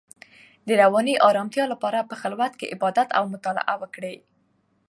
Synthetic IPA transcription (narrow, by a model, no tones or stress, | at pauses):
d̪əɾawɑniʔɑɾɑmt̪jɑlapɑɾapəxɪlwat̪kḛʔɪbɑd̪at̪a̰wmʊt̪ɑlɪ̰ʔawəkɽe